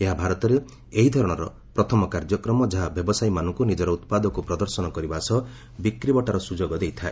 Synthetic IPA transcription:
eɦabʱaɾɔt̪ɔɾe | eɦid̪ʱɔɾɔɽ̃ɔɾɔ̰ | pɾɔt̪ʰɔmɔkaɾd͡ʒɔkɾɔmɔd͡ʒaɦabjɔbɔsajmanɔŋkunid͡ʒɔɾɔut̪pad̪ɔkupɾɔd̪ɔɾsɔnɔkɔɾibasɔ | bikɾibɔʈaɾɔsud͡ʒoɡɔd̪ejt̪ʰae

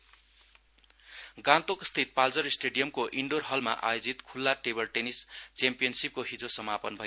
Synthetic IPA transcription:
ɡãt̪okst̪ʰit̪̚pald͡zʌɾisʈeɖijʌmkoʔiɳɖorɦʌlma̰ʔa̰jod͡zit̪kʰulːaʈebʌrʈenist͡sampijʌnsip̚koɦid͡zosʌmapʌnbʱʌjo

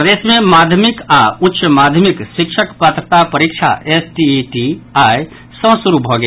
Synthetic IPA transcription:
pɾɐd̪eːsmẽmaːd̪ʱjəmɪkaʊtːʃəmaːd̪ʱjmɪkʃɪkʃəkpət̪ɾət̪apɐɾikʃʰa̰ʔesʈiʈiaːj | sə̃suɾubʱɔːɡe

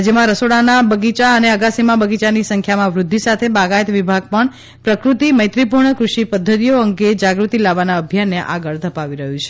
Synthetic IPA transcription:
d͡ʒəmãɾəsoɽanabəɡit͡ʃaəneəɡasimãbəɡit͡ʃanisəŋkʰjamãʋɾʊd̪ʱːisat̪ʰebaɡajt̪ʋibʱaɡ̚pəɳ | pɾəkɾut̪iməjt̪ɾipuɾɳəkɾuʃipəd̪ʱːət̪ijoəŋɡed͡ʒaɡɾut̪ilaʋanaəbʱjanːeʔaɡəɭd̪ʱəpaʋiɾəɦũt͡ʃʰe

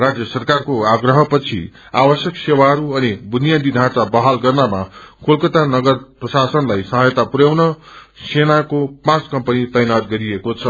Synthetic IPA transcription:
rad͡zjʌsʌrkarkoaɡrʌɦʌpʌt͡sʰḭ | awʌsjʌksewaɦʌɾuʌnibunjad̪id̪ʱãt͡sabʌɦalɡʌrnamakʰolkʌt̪anʌɡʌrprʌsasʌnlajsʌɦajt̪apuɾjawnʌ | senakopãt͡skʌmpʌnit̪ʌjnad̪̚ɡʌɾiekot͡sʰʌ

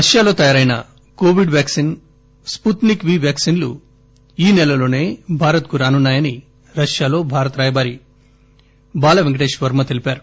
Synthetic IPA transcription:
ɾɐʂjaːlo̞ːt̪ɐjaːɾɐjnɐ̰ | koːʋiɖʋjaːksin | sput̪nikʋiːʋjaːksinlṵ | iːnɛlɐlo̞ːne̞ːbʱaːɾɐt̪kuɾaːnunːaːjɐni | ɾɐʂjaːlo̞ːbʱaːɾɐt̪ɾaːjɐbaːɾi | baːlɐʋeŋɡɐʈeːʃʋɐɾmɐt̪e̞lipaːɾu

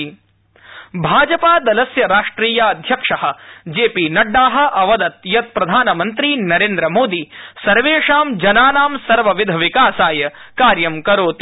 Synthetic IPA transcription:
bʱaːd͡ʒɐpaːd̪ɐlɐsjɐɾaːʂʈɾiːjaɐd̪ʱjɐkʂɐɦɐ̆d͡ʒeːpinɐɖːaːɦɐ̆ʔɐʋɐd̪ɐt̪̚jɐt̪̚pɾɐd̪ʱaːnɐmɐnt̪ɾinɐɾeːnd̪ɾɐmoːd̪iːsɐɾʋeːʂaːmd͡ʒɐnaːnaːmsɐɾʋɐʋid̪ʱɐʋikaːsaːjɐ | kaːɾjɐmkɐɾoːt̪i

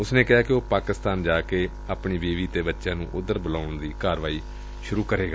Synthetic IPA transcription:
ʊsnẽːkɪɦaːkɪoːpaːkɪst̪aːnd͡ʒaːkeː | aːpɳiːbeːʋiːt̪eːbətːʃãːnṵ̃ːʔʊd̪ːəɾbəlaːʊɳd̪iːkaːɾʋaːiː | ʃʊɾuːkəɾeːɡaː

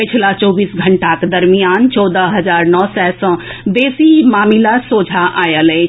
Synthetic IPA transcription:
pɪt͡ʃʰlat͡ʃɔːbiːsɡʱəɳʈakd̪əɾmijaːnt͡ʃɔːd̪əɦɐzaːɾnɔːsɛsə̃b̪eːsimaːmilasoːd͡ʒʱaʔaːjəlɛ

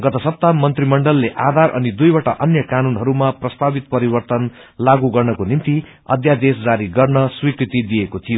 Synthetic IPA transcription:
ɡʌt̪ʌsʌp̚t̪amʌnt̪rimʌɳɖʌlːeʔad̪ʱarʔʌ̰nid̪ujbaʈaʔʌnjʌkanunɦʌɾumaprʌst̪abit̪̚pʌɾibʌrt̪ʌn | laɡuɡʌrnʌkonimt̪i | ʌ̰d̪ʱjad̪esd͡zaɾiɡʌrnʌswikɾit̪id̪ijekot̪ʰijo

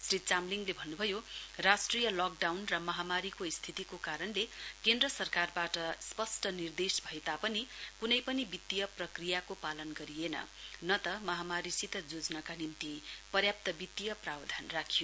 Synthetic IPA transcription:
srit͡samliŋɡlebʱʌnːubʱʌjorasʈrijʌlɔk̚ɖawnrʌmʌɦamaɾikoist̪ʰit̪ikokaɾʌnlekend̪rʌsʌrkarbaʈʌspʌsʈʌnird̪esbʱʌet̪apʌnikunʌjpʌnibit̪ːijʌprʌkrijakopalʌnɡʌɾijenʌ̰nʌt̪ʌmʌɦamaɾisit̪ʌd͡zod͡znakanint̪ipʌrjap̚t̪ʌbit̪ːijʌprabd̪ʱanrakʰijo

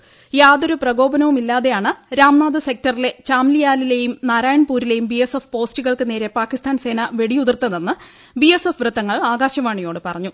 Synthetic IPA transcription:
jaːd̪o̞ɾuprɐɡo̞ːbɐnɐʋumilːaːðe̞jaːɳɨɾaːmnaːd̪ɨse̞k̚tɐrile̞t͡ɕaːmlijaːlile̞jumnaːɾaːjɐɳpuːɾile̞jumbiesefpo̞ːstiɣɐɭkɨne̞ːɾe̞paːkːist̪ʰaːnse̞ːnɐʋe̞ɽijuðɐrt̪ːɐnenːɨ | biesefʋrɨt̪ːɐŋːɐɭaːɡaːɕɐmaːɳijo̞ːɽɨpɐrɐɲːu

